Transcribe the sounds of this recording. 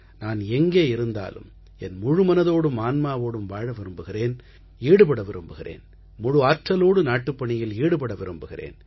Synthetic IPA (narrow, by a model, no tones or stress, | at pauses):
naːnɛŋɡeːɪɾɯnd̪a̰ːlɯ̰m | ɛnmʊɻɯmɐnɐðoːɽɯmaːnmaːʋoːɽɯmʋaːɻɐʋɪɾɯmbɯɣɪreːn | iːɽɯpɐɽɐʋɪɾɯmbɯɣɪrḛːn | mʊɻʊaːt͡ʃːɐloːɽɯnaːʈːɯpːɐɳɪjɪliːɽɯpɐɽɐʋɪɾɯmbɯɣɪrḛːn